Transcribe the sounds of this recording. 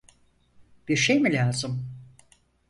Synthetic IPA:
b̥iɾʃejmilʲaːzɯm

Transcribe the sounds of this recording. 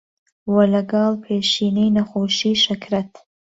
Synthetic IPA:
wɐlɐɡɑlˠpʰeːʃiːnejnɐxoːʃiːʃɐkʰɾɐt̪ʰ

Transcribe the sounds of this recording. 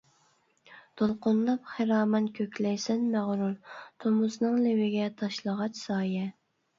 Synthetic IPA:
t̪olˠqʊnlˠɑpχeɾɑːmɑnkʲʰøkʲlɛjsɛnmæʁɾult̪ʰomuznɨŋlɪwɪɡʲɛt̪ʰɑʃlˠəʁɑt͡ʃsɑːjɛ

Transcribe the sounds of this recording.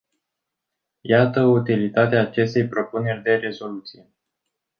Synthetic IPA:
jat̪əut̪ilit̪at̪eaːt͡ʃe̞st̪e̞jpɾo̞pune̞rʲd̪e̞ɾe̞zo̞lut̪sije̞

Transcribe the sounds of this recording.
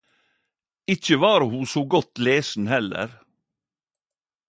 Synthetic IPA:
ɪc͡çəʋɑːɾəhuːsoːɡɔt̪leːsn̩hɛlə̰ɾ

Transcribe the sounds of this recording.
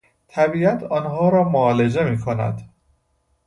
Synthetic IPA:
t̪ʰæbiːæt̪ʰɒːnɦɒːɾɒːmoɒːle̞d͡ʒe̞miːkʰonæ̰d̪

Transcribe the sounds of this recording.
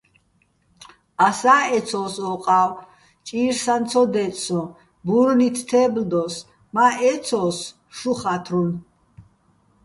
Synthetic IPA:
asaːɛsʰɔːsɔqʼaw | t͡ʃʼiɾsant̪t͡sʰɔd̪ɛt̪sɔ̃ | buɾnit̪ʰt̪ʰɛːbld̪ɔs | maʔɛt̪sʰɔs | ʃuχat̪ʰɾun

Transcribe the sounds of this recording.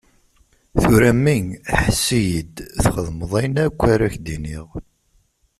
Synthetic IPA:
θʊɾæmːiŋħəsːijəd̪θχəðˤməðˤæjnækʷːaɾæçd̪iniʁ

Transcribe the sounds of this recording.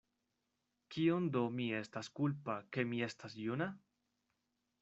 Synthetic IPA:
kiond̪o̞mie̞staskulpake̞mie̞stasjuna

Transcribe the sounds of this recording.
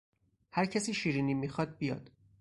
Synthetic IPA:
hæɾcʰæsiːʃiːɾiːniːmiːxɒːd̪̚bijɒ̰ːd̪̥

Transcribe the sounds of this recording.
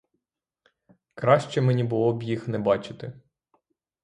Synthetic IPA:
kɾɑʃt͡ʃɛmɛnʲibʊlˠɔbjixnɛbɑt͡ʃɪ̥t̪ɪ

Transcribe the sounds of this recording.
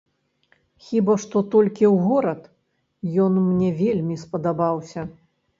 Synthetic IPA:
xʲibaʂt̪ɔt̪ɔlʲkʲiwɣɔɾɐt̪ | jɔnmnʲɛvʲelʲmʲispɐd̪abawsʲɐ

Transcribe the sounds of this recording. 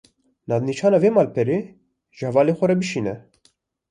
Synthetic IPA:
nɑːd̪niːt͡ʃʰɑːnɑːveːmɑːlpʰɛɾe | ʒ̥hɛvɑːleːxʷɛɾɛbɨʃiːnɛ

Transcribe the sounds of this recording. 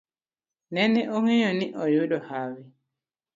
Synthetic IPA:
nɛnɛʔoŋeɲɔniʔɔjuɗɔhawi

